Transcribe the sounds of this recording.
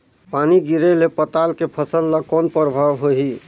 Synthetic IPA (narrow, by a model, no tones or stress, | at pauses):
paniɡiɾelepət̪alkepʰəsəlːakɔnpɾbʱawɦoɦi